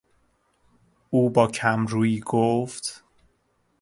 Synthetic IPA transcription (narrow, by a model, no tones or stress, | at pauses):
uːbɒːcʰæmɾuːiːɡoft̪